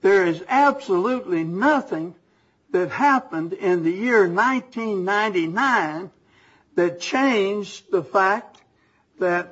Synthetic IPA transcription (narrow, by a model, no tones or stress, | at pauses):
ðə˞ɪzæb̥səlutˡlinʌθɪ̃ŋ | ðɨt̚hæpə̃ndɪ̃nðɨjɪɹnãɪ̃ntʰĩnːãɪ̃ntinãɪ̃n | ðɨt̚t͡ʃʰẽɪ̃nd͡ʒðəfæk̚ | ðɨt̚